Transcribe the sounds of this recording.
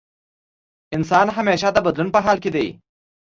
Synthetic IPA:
ɪnsɑːnɦɐmeːʃad̪əbɐd̪lunpəɦɑːlked̪ej

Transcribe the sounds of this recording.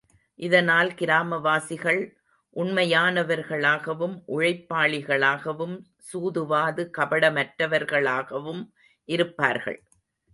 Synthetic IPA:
ʔɪðɐnaːlkɪɾaːmɐʋaːsɪɣɐɭ | ʔʊɳmɐjaːnɐʋɐɾɣɐɭaːɣɐʋɯmʔʊɻɐɪpːaːɭɪɣɐɭaːɣɐʋɯm | suːðɯʋaːðɯkɐpɐɽɐmɐʈɾɐʋɐɾɣɐɭaːɣɐʋɯm | ʔɪɾɯpːa̰ːɾɣɐ̰ɭ

